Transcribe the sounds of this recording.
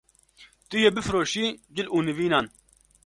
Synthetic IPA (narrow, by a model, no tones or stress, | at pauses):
t̪ɨjeːbɨfɾoːʃiːd͡ʒɪluːnɨviːnaːn